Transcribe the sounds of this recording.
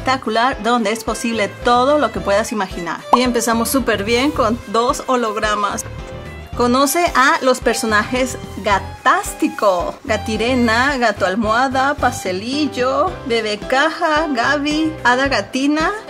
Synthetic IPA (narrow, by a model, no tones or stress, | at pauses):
k̚t̪akulaɾd̪o̞nd̪eesposiβlet̪oðolo̞kepweðasimaxina̰ɾiempesamosːupeɾβjeŋkond̪osoloɣɾama̰s | konoseʔalospeɾsonaxezɡat̪ast̪ikoɡat̪iɾenaɣat̪oalmwaðapast̪eliʝobeβekaxaɣaβiaðaɣat̪ina